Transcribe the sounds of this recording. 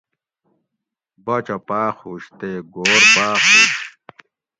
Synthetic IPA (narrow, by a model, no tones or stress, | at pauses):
bɐt͡ɕɐpaːχhuɕt̪eɡoːɾbaːχu